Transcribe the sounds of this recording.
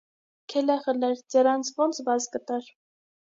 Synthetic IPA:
kʰɛlɛχəlɛɾd͡zɛɾɑnt͡sʰvɔnt͡sʰvɑzkət̪ɑɾ

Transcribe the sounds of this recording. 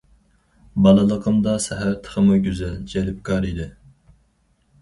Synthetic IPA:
bɑlˠɨlˠəqʰəmd̪ɑsɛɦæɾt̪ʰə̥χəmuɡʲyzɛld͡ʒɛlɪp̚kʰɑɾid̪ɪ

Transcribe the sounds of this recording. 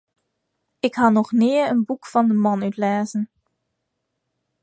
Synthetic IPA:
ɪkɦaːnɔχnɪːənbukfɑndəmɑnœtlaːzən

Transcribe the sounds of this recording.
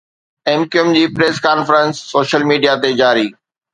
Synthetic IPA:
eːmkiʊmd͡ʑiːpɾeːskaːnfɾə̃nsːoːʃəlmiːɖijat̪ed͡ʑaːɾiː

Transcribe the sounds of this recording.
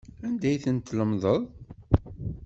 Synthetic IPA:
ænd̪æjθənt̪ːləmðˤəðˤ

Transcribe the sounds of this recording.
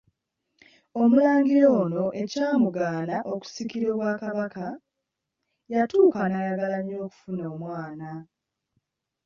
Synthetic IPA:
o̞mulaːŋɡiɾo̞ːno̞ʔe̞caːmuɡaːnaʔo̞ku̥sikiɾoːβwaːkaβaka | jatuːkanajaɡalaɲːo̞ːku̥funoːmwaːna

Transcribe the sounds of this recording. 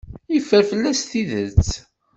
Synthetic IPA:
ifəɾfəlːæst̪iðət͡sː

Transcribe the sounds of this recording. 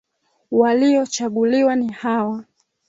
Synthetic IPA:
waliɔt͡ʃaɠuliwanihawa

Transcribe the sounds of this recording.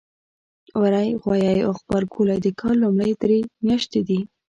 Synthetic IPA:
waɾajɣwɑjɑjoxbaɾɡulajd̪əkʰɑlːumɽajd̪ɾemjɑʃt̪ed̪i

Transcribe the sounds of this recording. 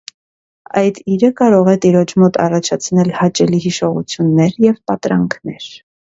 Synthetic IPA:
ɑjd̪iɾəkɑɾɔʁɛt̪iɾɔt͡ʃʰmɔt̪ɑ̰rɑt͡ʃʰɑt͡sʰnɛlhɑt͡ʃɛliɦiʃɔʁṵt͡sʰjunːɛɾjɛvpɑt̪ɾɑŋkʰnɛ̰ɾ

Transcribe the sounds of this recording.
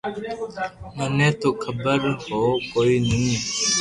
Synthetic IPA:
mənẽːt̪oːkʰəbəɾhoːkoːiːnĩːĩː

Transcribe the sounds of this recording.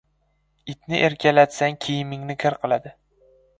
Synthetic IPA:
ɪt̪nɪʔeɾkʲʰalat̪saŋkʲʰejɪmɪŋnɪkʰʲɪɾqʰɨlˠad̪ɪ

